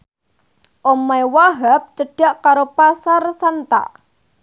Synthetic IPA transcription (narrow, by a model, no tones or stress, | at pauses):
ʔomajwaɦap̚t͡ʃəɖ̥aʔkaɾopasarsant̪a̰ʔ